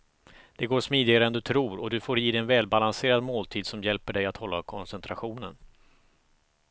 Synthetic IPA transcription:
d̪̥ɛɡoːʂmiːd̪ɪɡaɾəɛnd̪ɵt̪ʰɾuːɾɔd̪ɵfoːɾjiːd̪ɛɛnvɛːlbalanseːɾad̪moːlt̪ʰiːd̪sɔmjɛlpəɖɛjat̪hɔlːakʰɔnsɛnt̪ɾaɧuːnən

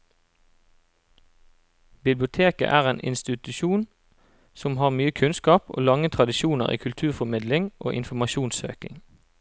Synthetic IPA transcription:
bɪblɪʊt̪ʰeːkə̰ʔæːʁeːnʔɪ̰nst̪ɪt̪ʉʃuːn | sɔmhɑːʁmyːəkʰʉnskɑːpʔo̰ːlɑŋət̪ʰʁɑd̪ɪʃuːnəʁḭːkʰʉlt̪ʰʉːʁfɔʁmɪd̪lɪŋʔo̰ːʔɪnfɔmɑʃuːnsø̰ːkɪ̰ŋ

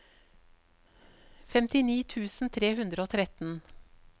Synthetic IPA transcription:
fɛmt̪ɪniːt̪ʰʉːsn̩t̪ʰɾeːhʉnd̪ɾəoːt̪ʰɾɛt̪n̩

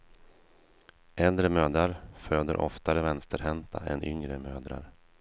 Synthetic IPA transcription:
ʔɛld̪ɾəmøːd̪ɾaɾføːd̪əɾʔɔ̰ft̪aɾəvɛnst̪əɾɦɛnt̪ʰa̰ʔɛ̰nʔʏŋɾəmøːd̪ɾa̰ɾ

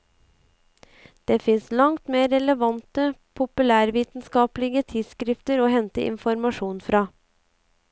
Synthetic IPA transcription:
d̪̥eːfɪnslɑŋt̪meːɾɛləʋɑnt̪əpʰʊpʉlæːɾʋiːt̪nskɑːplɪɡət̪ʰɪd̪skɾɪft̪əɾoːhɛnt̪ə̰ʔɪ̰nfɔɾmɑʂuːnfɾɑː

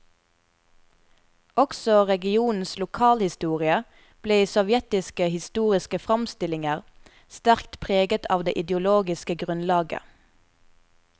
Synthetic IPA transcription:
ʔɔksɔʁɛɡɪuːnn̩slʊkʰɑːlhɪst̪uːʁɪə | b̥leːisɔʋjɛt̪ɪskəhɪst̪uːʁɪskəfʁɑmst̪ɪlɪŋəʁ | st̪æʁkt̪pʰʁeːɡət̪ʰɑ̰ːʋd̪ḛːʔɪd̪jʊloːɡɪskəɡʁʉnlɑːɡə̰

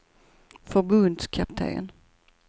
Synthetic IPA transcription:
fœɾbɵnd̪skʰap̚t̪ʰḛːə̰n

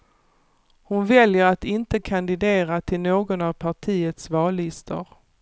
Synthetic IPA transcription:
hʊnvɛljəɾat̪ɪnt̪əkʰand̪ɪd̪eːɾat̪ʰɪlnoːɡɔnavpʰaʈʰiːət̪svɑːlɪst̪ʰə̰ɾ

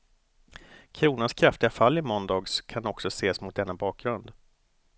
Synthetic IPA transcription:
kʰɾuːnanskʰɾaft̪ɪɡafalːɪmɔnd̪ɑːɡskʰanɔksɔseːsmʊt̪̚d̪ɛnːabɑːk̚ɡɾɵnd̪

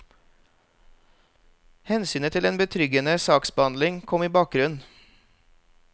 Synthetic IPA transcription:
hɛnsyːnət̪ʰɪleːnbət̪ʰɾʏɡənəsɑːksbəhɑnd̪lɪŋkʰɔmiːbɑːk̚ɡɾʉn

